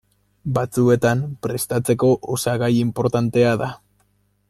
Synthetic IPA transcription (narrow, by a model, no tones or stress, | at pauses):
bat͡sue̞t̪ampɾe̞st̪at͡se̞ko̞ʔosaɣajimpo̞ɾt̪ant̪e̞aða